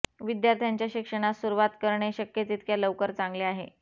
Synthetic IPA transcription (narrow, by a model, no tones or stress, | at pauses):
ʋid̪jaɾt̪ʰjaɲt͡ɕjaɕikʂəɽ̃asuɾuʋat̪kəɾɳeɕəkjət̪iːt̪̚kjaləʋkəɾt͡sãŋɡleaɦḛ